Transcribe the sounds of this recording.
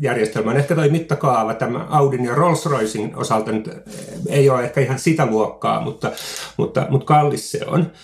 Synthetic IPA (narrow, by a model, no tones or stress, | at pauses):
jærjest̪elmæonehkæt̪oimit̪ːɑkɑːʋɑt̪æmæ̰ɑudinjɑrolsroisino̰sɑlt̪ɑnyt̪eioːehkæihɑnsit̪æluokːɑ̰ːmut̪ːɑmṵt̪ːɑ̰mut̪kɑlːissḛo̰n